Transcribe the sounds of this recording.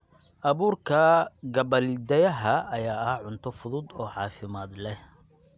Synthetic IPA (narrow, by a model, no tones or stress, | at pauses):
ʔɐβuːrkʰɐɡɐβɐlɪd̪ɐjɐɦɐʔɐjaːɐhʕʊnt̪ʰɔfʊðʊd̪ɔːʕɑːfɪmaːd̪lɛh